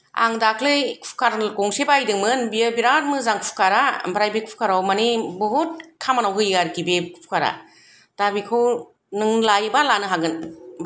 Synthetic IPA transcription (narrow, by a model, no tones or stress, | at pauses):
a̰ŋdakʰlɯjkʰpʰkʰaɾkɔŋsibajdɯŋmɯnbijɯbiɾaɾmɯzaŋkʰpʰu̥kʰaɾabɾajbekʰpʰkʰaɾawmanibɔɦut̚kʰamanawɦɯjaɾɡibekʰpʰkʰaɾa̰ | d̥abikʰɯw | nɯŋlajbalanɯɦaɡɯnb